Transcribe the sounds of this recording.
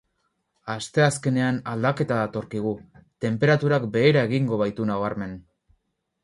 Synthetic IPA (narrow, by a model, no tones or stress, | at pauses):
ast̪e̞aske̞ne̞anald̪ake̞t̪aðat̪o̞ɾkiɣ̞ut̪e̞mpe̞ɾat̪uɾakbe̞ːɾae̞ɣiŋɡo̞β̞ajt̪unaβaɾme̞n